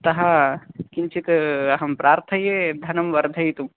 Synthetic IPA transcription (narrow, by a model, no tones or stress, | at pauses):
t̪ɐɦɐkint͡ʃit̪ɐɦɐmpɾaːɾt̪ʰɐjed̪ʱɐnɐmʋɐɾd̪ʱɐjt̪um